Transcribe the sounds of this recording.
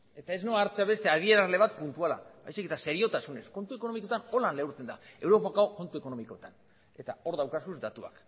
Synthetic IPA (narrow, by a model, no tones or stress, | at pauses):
e̞t̪ae̞znoaɾt͡seaβe̞st̪e̞að̞ie̞ɾazle̞β̞at̪̚punt̪uala̰ba̰jsiket̪ase̞ɾio̞t̪asune̞sko̞nt̪ue̞ko̞no̞mikot̪ano̞lanlewɾt͡se̞nd̪ae̞wɾo̞pakaoko̞nt̪ueko̞no̞miko̞t̪an | e̞t̪ao̞ɾðawkasuzd̪at̪ua̰k